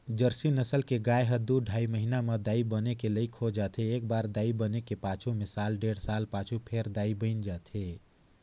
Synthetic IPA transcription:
d͡ʒəɾsinəsəlkeɡaːeɦəd̪uɖʱaːiməɦinamed̪aːibənekeləikʰod͡ʒaːt̪ʰeeːk̚baːɾd̪aːibənekepãːt͡ʃʰumɪsaːlɖeːɽsaːlpãːt͡ʃʰupʰeɾd̪aːibə̃ɪnd͡ʒaːt̪ʰe

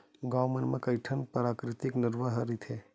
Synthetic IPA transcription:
ɡaːwmenmẽkɐjʈʰənpəɾaːkɾɪt̪ɪknɪɾʋaɦɐɾit̪ʰɛː

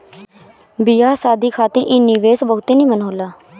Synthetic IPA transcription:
bɪjaːsaːd̪iːkʰaːt̪əɾʔɪnːiːʋeːsbəɦʊt̪eːnĩːmənɦoːlaː

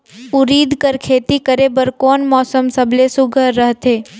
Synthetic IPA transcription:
ʊɾiːd̪kəɾkʰeːt̪ikəɾeːbəɾkɔːnmɔːsəmsəbʱlesʊɡʱəɾːəɦt̪eː

